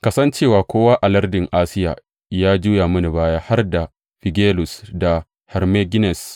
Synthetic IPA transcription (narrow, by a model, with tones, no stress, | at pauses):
kɐ˦sɐ˦nt͡ʃeː˦˨waː˨kʷoː˦waː˦ʔa˨lɐ˦rdɪ˨ŋʔaː˦sɪ˦ja̰ː˨ | jaː˦d͡ʒuː˦jaː˨mɐ˦ni˨baː˦jaː˦ha˦rda˨ | ɸɪ˨ɡʲeː˦lʊ˨sda˨ | hɛ˨ɾmeː˦ɡɪ˦nɛ˨s